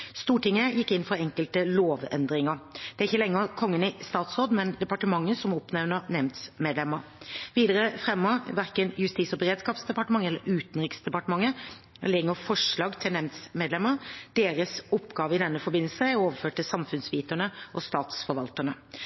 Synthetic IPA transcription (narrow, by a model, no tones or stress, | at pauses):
st̪uːʈɪŋːəjɪkːɪnːfɔɾɛŋkəlt̪əloːʋɛ̰nd̪ɾɪŋəɾd̪̥ɛæɾɪçːəlɛŋːəkʰɔŋːənɪst̪ɑːt̪sʁoːd̪mɛnd̪ɛpɑʈəmɑŋːəsɔmɔpnæʉnəɾnɛmt̪smeːd̪lɛmːəɾʋiːd̪əɾəfɾɛmːəʋæɾʁkənjʉst̪iːsɔbəʁeːd̪skɑːpsd̪ɛpɑʈəmɑŋːɛlːə̰ʉːt̪ənɾɪksd̪̥ɛpɑʈəmɑŋːə | lɛŋːəfɔʂɭɑːɡt̪ʰɪlnɛmt̪smeːd̪lɛmːəɾd̪̥eːɾəsɔpːɡɑːʋəɪd̪ɛnːəfɔɾbɪnl̩səæɾoːʋəføːʈ̪ɪlsɑmfʉnsʋiːt̪əɳəʔɔst̪ɑːt̪sfɔɾʋɑlt̪əɳə